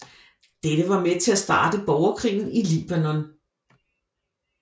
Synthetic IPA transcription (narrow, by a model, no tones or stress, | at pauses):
d̥eɾəʋɑ̈met͡sʰe̝æsd̥ɑ̰̈ːd̥əb̥ɒʊɐkʰʁḭːn̩iliːb̥ænɒ̽n